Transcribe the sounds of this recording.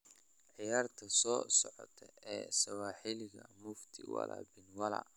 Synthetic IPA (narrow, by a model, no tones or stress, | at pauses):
ʕɪjaːrt̪ʰɐsɔːsɔʕɔ̰t̪ʰɛʔɛːsɐwaːħilɪɣɐmʊft̪ʰɪwɐlabɪnwɐlɐ̰